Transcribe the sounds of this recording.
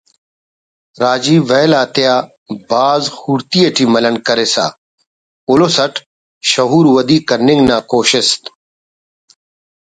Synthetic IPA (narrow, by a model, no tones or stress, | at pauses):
ɾaːd͡ʒiːʋɛːlaːt̪jaː | baːzhuːɾt̪iːeʈʰiːmɐlənkɐɾeːsa̰ː | oloːsɐʈʰ | ʃɐɦuːɾʋɐd̪iːkɐɾnɪ̃ŋɡnaːkoːʃɪst̪